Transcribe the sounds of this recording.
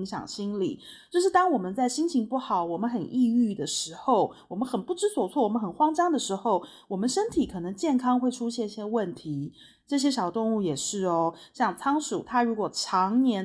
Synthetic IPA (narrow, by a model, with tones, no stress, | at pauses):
ŋɕjɑ̰˨˩ŋɕi˥nlḭ˨˩˦t͡ɕjo˥˧ʊʂ̬ɻ̩˥˩t̪ɑ˥ŋwɔ˨˩mə˦nt͡sa˥˩ɪɕi˥nt͡ɕʰi˧˥ŋpu˥˩xɑ˨˩ʊwɔ˨˩mə˦nxə˨˩nʔi˥˧y˥˩d̪ə˩ʂɻ̩˧˥xo˥˩ʊwɔ˨˩mə˦nxə˨˩npu˥˩ʈ͡ʂɻ̩˥swɔ˨˩t͡sʰwɔ˥˩wɔ˨˩mə˦xə˨˩nxwɑ˥ŋt͡ɕɑ˥ŋd̪ə˨ʂɻ̩˧˥xo˥˩ʊ | wɔ˨˩mə˨˦nʂə˥nt̪ʰi˨˥kʰɤ˨˩nɤ˧˥ŋt͡ɕjɛ˥˩nkʰɑ˥ŋxwe˥˩ɪʈ͡ʂʰu˥ɕjɛ˥˧n˥ɕjɛ˥wə˥˩nt̪ʰi˧˥ | ʈ͡ʂɤ˥˩ɕ̬jɛ˥ʂɑ˨˩ʊt̪ʊ˥˧ŋu˥˩jɛ˨˩ʂɻ̩˥˩ɔ˦ɕjɑ˥˩ŋt͡sʰɑ˥ŋʂṵ˨˩t̪ʰa˥ɻu˧˥kwɔ˨˩ʈ͡ʂʰɑ˧˥ŋnjɛ˧˥n